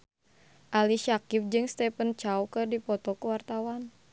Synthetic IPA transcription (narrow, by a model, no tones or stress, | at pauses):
ʔaliʃakip̚d͡ʒɨŋst̪ɛpənt͡ʃawkɨrdipɔt̪ɔkuwart̪awan